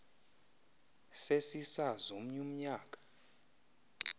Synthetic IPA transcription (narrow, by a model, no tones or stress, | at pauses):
sesisazom̩ɲum̩ɲaːkʼḁ